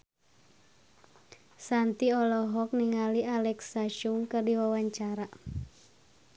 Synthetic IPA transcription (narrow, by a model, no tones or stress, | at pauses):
sant̪iɔlɔɦɔk̚niŋaliʔalɛksaʃuŋkɨrdiwawaɲt͡ʃaɾa